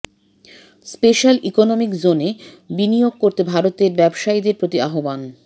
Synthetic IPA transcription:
speʃalʔikonomikd͡ʑone | binijoɡ̚koɾt̪ebʱaɾot̪eɾbɛbʃaed̪eɾpɾot̪iaɦoban

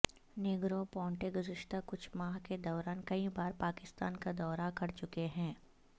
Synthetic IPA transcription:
nɪɡɾõpɔ̃ːɳʈeɡʊzɪʃt̪akʊt͡ʃʰmaːɦked̪ɔːɾaːnkɐibaːɾpaːkɪst̪a̰ːnkad̪ɔːɾakɐɾt͡ʃʊkeɦɛ̃ː

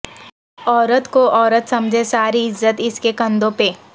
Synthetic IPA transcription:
ɔːɾət̪koʔɔːɾət̪sɐmd͡ʒʱesaːɾiɪzːət̪ɪskekɐ̃nd̪õpeː

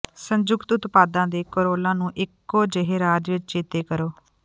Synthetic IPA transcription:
səɲd͡ʒʊɡt̪ʊt̪paːd̪ãːd̪eːkoɾoːlãːnũːʔɪkːoːd͡ʒeɦeːɾaːd͡ʒʋɪt͡ʃt͡ʃeːt̪eːkəɾoː

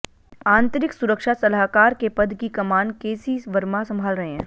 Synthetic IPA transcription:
ãːnt̪əɾɪksʊɾəkʃasɐlaɦkaːɾkepɐd̪ʱkikɐmaːnkeːsiʋɐɾmasɐ̃mbʱaːlɾɐɦeɦɛ̃ː

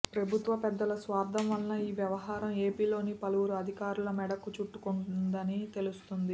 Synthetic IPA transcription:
pɾɐbʱut̪ʋɐpɛd̪ːɐlɐsʋaːɾd̪ʱɐmʋɐlːɐiːʋjɐʋɐɦaːɾɐme̞ːpiːlo̞ːnipɐluwuɾuɐd̪ʱikaːɾulɐmɛɽɐkːut͡ʃuʈːukuɳnd̪ɐnit̪e̞lust̪und̪i

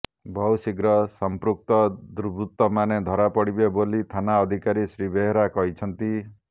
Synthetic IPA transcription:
bʱɔwsiɡɾɔsɔmpɾuk̚t̪ɔd̪uɾbɾut̪ɔmaned̪ʱɔɾapɔɽibebolit̪ʰanaɔd̪ʱikaɾisɾibeɦeɾakɔɦit͡ʃʰɔnt̪i

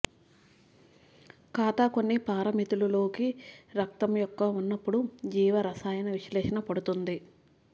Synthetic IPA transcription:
kaːt̪ako̞nːipaːɾɐmit̪ululo̞ːkiɾɐk̚t̪ɐmjɔkːɐunːɐpːuɽud͡ʒiːʋɐɾɐsaːjɐnɐʋiʃlɛːʃɐnɐpɐɽut̪und̪i

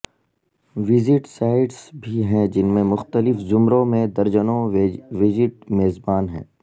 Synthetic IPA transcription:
ʋɪzɪʈsaːɪɖsbʱiɦɛ̃d͡ʒɪnmẽmʊxt̪əlɪfzʊmɾõmẽd̪ɐɾd͡ʒənõʋɪzɪʈ̚meːzbaːnɦɛ̰̃ː

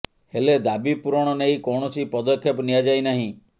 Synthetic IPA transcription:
heled̪abipuɾɔɽ̃ɔneikɔɳ̃ɔsipɔd̪ɔkʰːjepnijad͡ʒajnaɦĩ

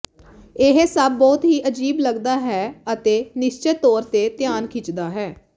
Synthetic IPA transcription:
ɪɦsəbːɔːt̪ɦiːʔəd͡ʒiːbləɡd̪aːɦɛːət̪eːnɪʃt͡ʃeːt̪ɔːɾt̪eːt̪jaːnkʰɪt͡ʃd̪aːɦɛː

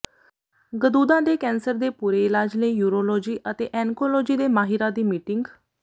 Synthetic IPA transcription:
ɡəd̪uːd̪ãːd̪eːkɛ̃ːnsəɾd̪eːpuːɾeːɪlaːd͡ʒləiːjuːɾoːlɔːd͡ʒiːʔət̪eːʔɛ̃ːŋkoːloːd͡ʒiːd̪eːmaːɦɪɾãːd̪iːmiːʈɪŋɡ

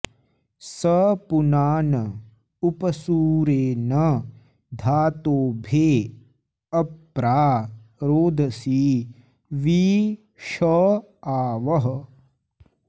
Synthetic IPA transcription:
sɐpunaːnɐ | upɐsuːɾeːnɐ | d̪ʱaːt̪oːbʱeː | ɐpːɾaːɾoːd̪ʱɐsiː | ʋi | ʃɐ | aːʋɐɦɐ̆

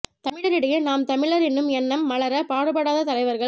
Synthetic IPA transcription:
t̪ɐmɪɭɐɾɪɽɐjɯnaːmt̪ɐmɪɭɐɾɛnːɯmɛnːɐmːɐɭɐɾɐpaːɽɯpɐɽaːðɐt̪ɐlɐɪʋɐɾɣɐɭ

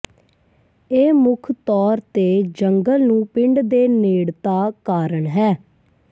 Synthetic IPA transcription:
eːmʊkʰt̪ɔːɾt̪eːd͡ʒəŋɡəlnũːpɪɳɖd̪eːneːɽt̪aːkaːɾəɳɦɛː

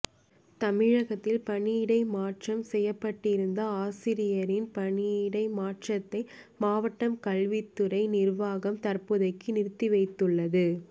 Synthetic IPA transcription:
t̪ɐmɪɻɐɣɐt̪ːɪlpɐɳijɪɽɐɪmaːʈrɐmsɛjːɐpːɐʈːɪɾɯnd̪ɐaːsɪɾɪjɐɾɪnpɐɳiɪɽɐɪmaːʈrɐt̪ːɐɪmaːʋɐʈːɐmkɐɭʋɪt̪ːɯɾɐɪnɪrʋaːɣɐmt̪ɐrpɯðɐɪkːɯnɪɾt̪ːɪʋɐɪt̪ːɯɭːɐðɯ

